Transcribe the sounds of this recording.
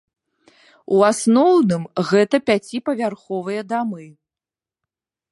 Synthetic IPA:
uasnɔwnɨmɣɛt̪ɐpʲat͡sʲipɐvʲarxɔvɨjɐd̪amɨ

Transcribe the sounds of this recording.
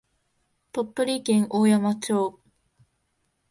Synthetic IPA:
pop̪ːɯɾʲikẽŋʔoːjamat͡ɕoː

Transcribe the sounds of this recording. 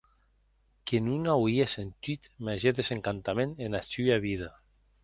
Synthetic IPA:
kenunawiasent̪it̪maʒeðeseŋkant̪amenenasyaβiða

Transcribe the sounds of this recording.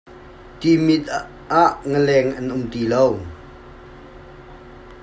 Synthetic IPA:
t̪imɪt̪̚ | aʔŋəlɛŋʔɐnʔʊmt̪ilow

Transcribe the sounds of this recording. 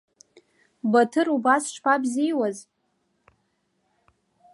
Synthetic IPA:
batʰɨɾubasʈ͡ʂʰpʰabzijwaz

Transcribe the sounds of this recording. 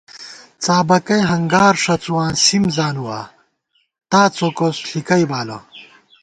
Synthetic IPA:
t͡saːbɐkɐjɦɐŋɡaːɾʂɐt͡suwãːsimzaːnuwa̰ː | t̪aːt͡sokosɬikɐjbaːlo̰

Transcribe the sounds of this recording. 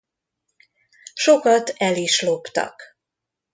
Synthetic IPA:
ʃo̞kɒt̪ɛliʃlo̞pt̪ɒ̰k

